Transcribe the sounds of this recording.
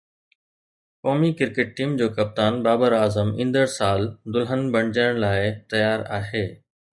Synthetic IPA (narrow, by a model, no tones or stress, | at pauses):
kɔːmikɪɾkeʈ̚ʈiːmd͡ʑoːkɐp̚t̪aːnbaːbəɾaːzəmĩːnd̪əɽsaːld̪ʊlɦənbɐɽ̃d͡ʑəɽ̃laːɪt̪ɐjaːɾa̰ːɦeː